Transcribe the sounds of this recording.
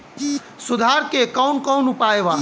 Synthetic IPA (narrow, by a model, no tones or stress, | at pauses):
sʊd̪ʱaːɾkekɔwnkɔːnʊpaeʋaː